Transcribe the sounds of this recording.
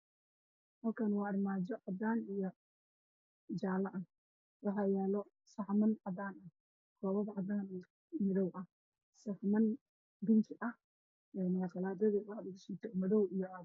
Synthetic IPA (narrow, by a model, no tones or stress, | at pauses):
hɐlkʰanwɑːɐrmaːd͡ʒɔʕɑd̪aːnijɔ | d͡ʒaːlɐʔɐ | wɑħɑːjɛːlɔ | sɑħmɐnʕɑd̪aːnɐh | kʰɔːβɐðʕɑd̪aːn | mɪðɔwʔɐh | sɐfmɐn | bɪnt͡ʃ̪ʰɪʔɐh | ɛːmɐqɑlaːd̪ɐðiwɑħdɪɡʃit̪ʰɔmɐðɔwija